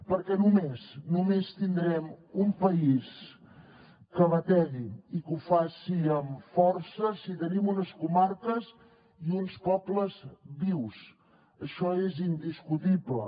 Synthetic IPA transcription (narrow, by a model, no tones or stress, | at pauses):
pəɾkɛnumeznumest̪ind̪ɾɛmumpəis | kəβət̪ɛɣiikufasiəmfɔrsəsit̪ənimunəskumaɾkəz | iunspɔbləzβiws | əʃɔezind̪iskut̪iblə̰